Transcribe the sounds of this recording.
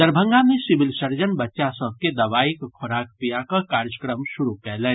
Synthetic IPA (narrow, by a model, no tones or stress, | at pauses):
d̪əɾbʱə̃ŋɡamẽsɪʋɪlsəɾd͡ʒənbɐtːʃasə̃b̚ked̪ɐʋaːikkʰʊɾaːk̚pijakakaːɾjəkɾəmʃʊɾukɛɦlɛ̃ː